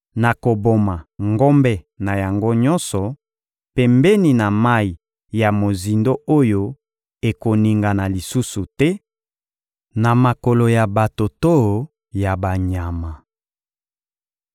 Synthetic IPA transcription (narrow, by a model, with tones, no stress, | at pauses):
na˨ko˨bo˨ma˨ŋɡo˦mbɛ˦ | na˨ja˨ŋɡo˦ɲɔ˦nsɔ˨ | pɛ˨mbɛ˦ni˨na˨ma˦i˨ | ja˨mo˨zi˨ndo˦ʔo˦jo˦ | e˨ko˨ni˨ŋɡa˨na˨li˨su˦su˨tɛ˦ | na˨ma˨ko˨lo˨ja˨ba˨to˨to˦˨ | ja˨ba˨ɲa˨ma˨